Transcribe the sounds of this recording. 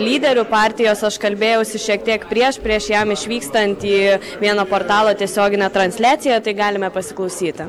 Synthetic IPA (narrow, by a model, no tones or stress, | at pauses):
lʲiːd̪ʲɛɾʲʊpɑːɾʲt̪ʲɪjoːsɐʃkɐlʲbʲeːjɛʊsʲɪʃʲiɛk̚t̪ʲiɛkpʲɾʲiɛʃpʲɾʲiɛʃjɛmɪʃʲʋʲiːkst̪ɐnʲt̪ʲiː | ʋʲiɛnoːpoːrt̪ɑːlˠoːt̪ʲiɛsʲoːɡʲɪnʲɛt̪ɾɐnʲsʲlʲæːt̪sʲɪjɛt̪ɐɪɡɑːlʲɪmʲɛpɐsʲɪklˠɐʊsʲiːt̪ʲɪ